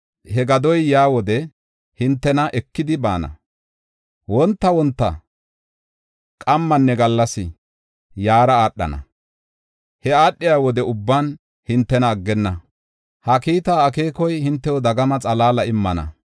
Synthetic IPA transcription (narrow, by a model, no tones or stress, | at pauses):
hɛɡɐd̪ɔjjaːwɔd̪ɛ | hɪnt̪ːɛnɐʔɛkːɪd̪ɪba̰ːnɐ̰ | wɔnt̪ːɐwɔnt̪ːɐ̰ | kʼɐmːɐnːɛɡɐlːɐsɪ | jaːɾɐaːɗːɐ̰nɐ̰ | hɛaːɗːɪjaːwɔd̪ɛʊbːaːn | hɪnt̪ːɛnɐːɡːɛnːɐ | hɐkiːt̪aːke̞ːkɔjhɪnt̪ːɛwɔd̪ɐɡɐmɐt͡sʼɐlaːlɐɪmːɐnɐ̰